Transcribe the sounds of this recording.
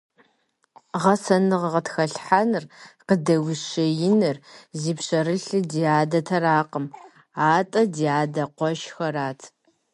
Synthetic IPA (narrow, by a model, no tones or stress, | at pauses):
ʁɐsɐnɨʁʁətxɐɬħanɨrqədɐwɪʃɐjɪnɨrziːpɕɐɾɨɬɨdiaːdɐtʰɐraːqəm | aːtʼɐdiaːdɐqʷɔʃxɐraːtʰ